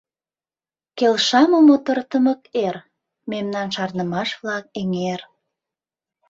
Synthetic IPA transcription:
kelʃɑmomot̪ərt̪əməker | memnɑnʃɑrnəmɑʃvlɑk̚eŋer

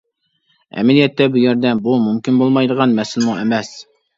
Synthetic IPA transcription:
ɛ̰mɪlijɛt̪ːɛbujæɾd̪ɛnbumumkʲinbolˠmɑjd̪əʁɑnmɛsɪlɪmʊŋemɛs

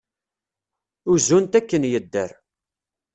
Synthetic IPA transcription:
ʊzunt̪ækːənjəd̪ːə̰ɾ

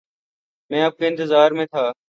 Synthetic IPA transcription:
mɛ̃ːəːp̚keːɪ̃nt̪ɪzaːɾmẽːt̪ʰaː

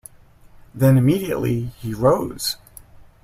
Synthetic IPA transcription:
ðɨ̃nɨmiɾiɨ̰ʔˡlḭiɹoʊz̥

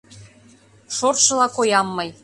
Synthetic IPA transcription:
ʃorʃɤ̆lɑkojɑmːɤj

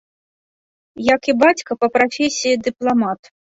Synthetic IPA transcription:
jɐkibat͡sʲkɐpɐpɾafʲesʲijid̪ɨplˠamat̪

